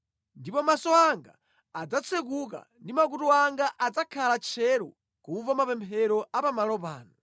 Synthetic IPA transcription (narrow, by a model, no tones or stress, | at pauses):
ndipɔmasɔaŋɡa̰ː | d͡zat͡sʰɛk̬uk̬a̰ndimak̬utuaŋɡaʔad͡zakʰalat͡ʃʰɛɾɔ̰ | kuvamapɛmpʰɛɾɔapamalɔp̬aːnɔ